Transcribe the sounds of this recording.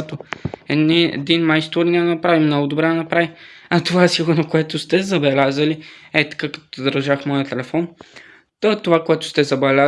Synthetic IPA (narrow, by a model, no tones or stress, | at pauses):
t̪oɛniɛ̰d̪inmajst̪oɾnʲad̪ɐnɐpɾavimnɔɡʊd̪obɾɛd̪ɐnɐpɾaviɐt̪ovaɛsiɡʊɾnokoɛt̪ʊst̪ɛzɐbɛlʲazəliɛt̪ɐ̥kakɐ̥t̪ɔ̥d̪ɾʒaxmɔjət̪ɛlɛfɔn | t̪ɐt̪ovakoɛt̪ʊ̥st̪ɛzɐbɛlʲa